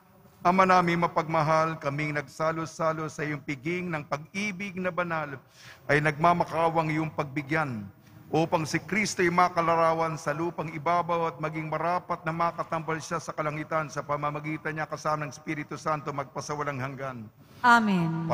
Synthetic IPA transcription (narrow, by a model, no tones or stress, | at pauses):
ʔɐmanaːmɪŋmɐpɐɡ̚mɐɦalkɐmɪŋnɐɡ̚saːlosaːlo̞sɐjʊŋpɪɡɪŋnɐŋpɐɡ̚iːbɪɡ̚nɐbɐnal | ʔɐjnɐɡ̚mamɐkaːwɐŋjʊŋpɐɡ̚bɪɡjan | ʔoːpɐŋsɪkɾist̪ojʊmaːkɐlɐɾaːwɐnsɐluːpɐŋɪbaːbawɐt̪̚mɐɡiŋmɐɾaːpɐt̪̚nɐmɐkɐt̪ɐmbɐlʃasɐkɐlɐŋɪt̪ɐnsɐpɐmɐmɐɡiːt̪ɐɲɲakɐsaːmɐnɐŋspiɾɪt̪usant̪o̞mɐɡ̚pɐsɐwɐlɐŋhɐŋɡan | amin